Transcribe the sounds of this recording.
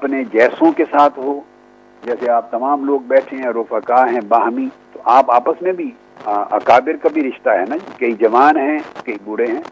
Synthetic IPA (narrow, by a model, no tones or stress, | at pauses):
ɐpned͡ʒɛːsõkesaːt̪ʰɦoː | d͡ʒɛːseaːp̚t̪ɐmaːmloːɡ̚bɛːʈʰeɦɛ̃ɾʊfəkaːɦɛ̃baːɦmĩt̪oʔaːpaːpəsmẽbʱi | ɐ̰kaːbɪɾkabʱiɾɪʃt̪aɦɛnakɐid͡ʒɐʋaːnɦɛ̃kɐibʊɽeɦɛ̃ː